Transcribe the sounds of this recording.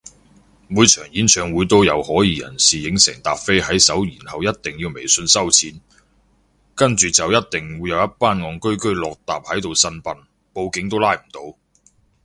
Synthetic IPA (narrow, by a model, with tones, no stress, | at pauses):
muː˨˧jt͡ʃʰœː˨˩ŋjiː˨˥nt͡ʃʰœː˨˧ŋwuː˨˧˥jt̪o˥wjɐ˨˧whɔː˨˥jiː˨˧jɐ̰˨˩nsiː˨jɪ˨˥ŋsɛ̰ː˨˩ŋt̪aː˨p̚fe˥jɦɐ˨˥jsɐ˨˥wjiː˨˩nhɐ˨wjɐ˥t̚t̪ɪ˨ŋjiː˧wme˨˩jsɵ˧nsɐ˥wt͡sʰiː˨˥n | kɐ˥nt͡ʃyː˨t͡sɐ˨wjɐ˥t̚t̪ɪ˨ŋwuː˨˧jɐ˨˧wjɐ˥t̚paː˥nŋɔː˨˧ŋkɵ˥ɥkɵ˥ɥlɔː˨k̚t̪aː˨p̚hɐ˨˥jt̪o˨wsɐ˧npɐ˨n | po˧wkɪ˨˧˥ŋt̪o˥wlaː˥jm̩˨˩t̪o˧w